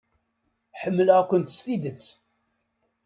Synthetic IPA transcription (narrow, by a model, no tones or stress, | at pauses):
ħəmːələʁækʷənt̪ə̥st̪id̪ət͡sː